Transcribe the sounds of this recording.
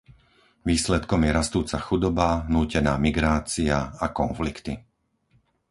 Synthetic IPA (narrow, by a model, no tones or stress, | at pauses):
ʋiːslɛt̪kɔmjɛɾast̪uːt͡saxud̪ɔbaɦnuːcɛna̰ːmiɡɾaːt͡siaakɔnflikt̪i